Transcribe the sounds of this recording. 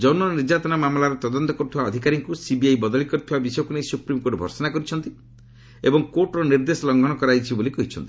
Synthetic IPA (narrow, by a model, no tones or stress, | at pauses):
d͡ʒɔnɔniɾd͡ʒat̪ɔnamamlaɾɔt̪ɔd̪ɔnt̪ɔkɔɾut̪ʰibaɔd̪ʱikaɾiŋkusibiajbɔd̪ɔɭikɔɾt̪ʰibabisɔjɔkunejsupɾimkoʈbʱɔ̰ɾsɔnakɔɾit͡ʃʰɔnt̪i | ebɔŋkoʈɾɔniɾd̪esɔlɔŋɡʱɔɽ̃ɔkɔɾajt͡ʃʰibolikɔɦit͡ʃʰɔnt̪i̥